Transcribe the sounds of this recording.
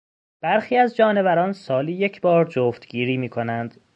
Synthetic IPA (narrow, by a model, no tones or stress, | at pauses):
b̥æɾxiːæzd͡ʒɒːne̞væɾɒːnsɒːliːjecʰbɒːɾd͡ʒoːft̪ɡ̥iːɾiːmiːkʰo̞nænd̪̥